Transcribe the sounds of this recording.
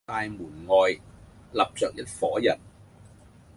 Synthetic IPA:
aː˧jmuː˨˩nŋɔː˨˧j | lɐ˨p̚t͡sœː˨k̚jɐ˥t̚fɔː˨˥jɐ˨˩n̚

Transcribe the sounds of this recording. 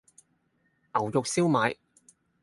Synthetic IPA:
ʔɐ˨˩wjʊ˨k̚si˥wmaː˨˧j

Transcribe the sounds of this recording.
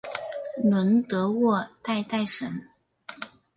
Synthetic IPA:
nwə˧˥nt̪ɤ˧˥wɔ˥˧t̪a˥˧ɪt̪a˥˩ɪʂə˧˥n

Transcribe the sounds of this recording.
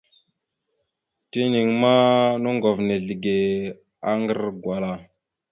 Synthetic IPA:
ti˦ni˨ŋma˦nu˦ŋɡo˨vne˨ɮi˨ɡe˨ | a˦ŋɡə˦ɾɡwa˨la˨

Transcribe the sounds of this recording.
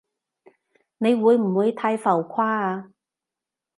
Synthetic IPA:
ne˨˧jwuː˨˧jm̩˨˩wuː˨˧jt̪ʰa˧jfɐ˨˩wkʰaː˥aː˧

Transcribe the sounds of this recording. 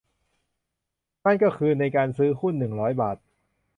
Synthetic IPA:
na˥˩nkɔː˥˩kʰɯː˧na˧jkaː˧nsɯː˦˥hu˥˩nːɯ˨˩ŋɾɔː˦˥jbaː˨˩t̪̚

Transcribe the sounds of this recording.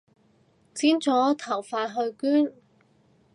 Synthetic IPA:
t͡siː˥nt͡sɔː˨˥t̪ʰɐ˨˩wfaː˧tɦɵ˧ɥkyː˥n

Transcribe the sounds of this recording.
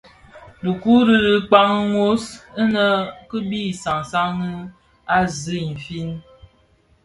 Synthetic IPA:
du˨ku˦ɾi˦ɾə˦k͡pa˦ŋə˦ŋo˦sə˦nə˦kə˦bi˦˨sa˨ŋsa˦ŋə˦ | a˦zə˦˨n̩˨fi˦n

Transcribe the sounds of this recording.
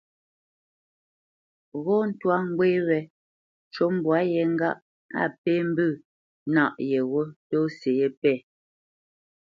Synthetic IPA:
ɣɔ˦n̩˦twa˦ŋ˦ɡwe˦ɾɛ˨ | t͡ʃo˦m˨bwa˨˦jɛ˨ŋ̩˦ɡa˦ʔ | a̰˦˨pe˦m̩˦bɨ˦˨ | na˦˨ʔjɛ˨ɣo˦to˦se˨je˦pɛ˦˨

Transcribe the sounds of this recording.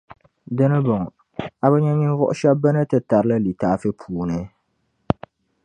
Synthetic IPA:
dɨ˦nɨ˦bɔ˨ŋ˨ | a˨bɛ˦ɲɛ˦ɲi˦vʊ˦ʔʊ̰˦ʃɛ˦bba˦nɨ˦tɨ˦ta˨ɾɨ˦la˦li˨taː˨˦fɨ˦pʰuː˨nɨ˦

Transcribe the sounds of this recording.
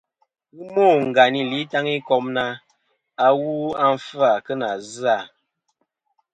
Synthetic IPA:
wu˦mo˦˨ŋ̩˨ɡa˨ni˨li˦ta˦ŋi˦kɔ˦mna˦ | a˦wu˦a˦ɱ˦fa˦˨kə˦na˨za˦˨

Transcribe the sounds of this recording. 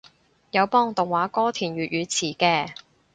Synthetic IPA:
jɐ˨˧wpɔː˥ŋt̪ʊ˨ŋwaː˨˥kɔː˥t̪ʰiː˨˩nɥyː˨t̚ɥyː˨˧t͡sʰiː˨˩kɛː˧

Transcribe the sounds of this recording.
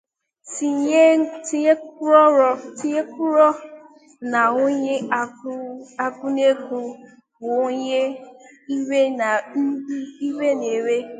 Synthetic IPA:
si˨e˦ti˦e˦kʊ˦ɾɔ˦ɾɔ˦ti˦e˦kʊ˦ɾɔ˦ | na˨o˦ɲe˦a˨˦ | a˦kʊ˦ne˦ku˦ | bʊ˨o˦ɲe˦i˦we˦na˨n̩˦di˦i˦we˦ne˨ɾe˦

